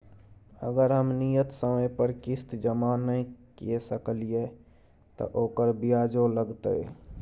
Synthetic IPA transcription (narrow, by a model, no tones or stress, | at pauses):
ə̰ɡəɾɦəmnijət̪səməjpəɾkist̪d͡ʒəmanəjkesəkəlije | t̪ɔ̰ʔokəɾbijad͡ʒoləɡt̪ə̰j